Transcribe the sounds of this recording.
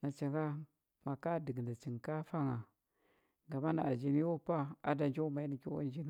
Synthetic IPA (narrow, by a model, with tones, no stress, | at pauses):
na˨t͡ʃa˨ŋɡa˦ | ma˨ka˦də˨ɡnda˨t͡ʃi˨ŋ˨ka˦fa˦ŋa˨ | ɡa˨ma˦na˨a˨d͡ʒi˨ni˦wo˦pa˦a˦da˨nd͡ʒa˦ma˨i˦ni˨ki˦wa̰˦n˦d͡ʒi˦n˦